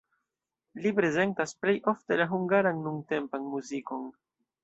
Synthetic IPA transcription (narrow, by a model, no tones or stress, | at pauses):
lipɾe̞ze̞ntasple̞jʔo̞fte̞laɦuŋɡaɾanːuŋte̞mpanmuziko̞n